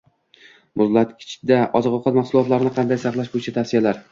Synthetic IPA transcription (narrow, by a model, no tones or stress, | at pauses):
mʊzlˠat̪kʲʰɪ̥t͡ʃʰd̪aʔɒzɨʁɒwqʰɑt̪mɑχsʊlˠɒt̪laɾɪnɪqʰɑnd̪ajsɑχlˠaʃbojɪt͡ʃʰat̪ʰafsijalaɾ